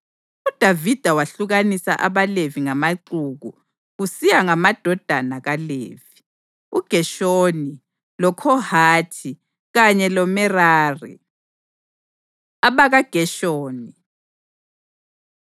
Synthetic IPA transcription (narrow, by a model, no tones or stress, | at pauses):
ud̥ʱavid̥ʱawaɬuɣanisa̰ʔaβaleviŋamaǀuɣu | ɣusijaŋamad̥ʱɔd̥ʱanaɣalḛːvi | uɡ̥ʱɛʃoni | lɔkʰɔhaːtʰi | ɣaɲɛlɔmɛraːrḭ | aβaɣaɡ̥ʱɛʃoːni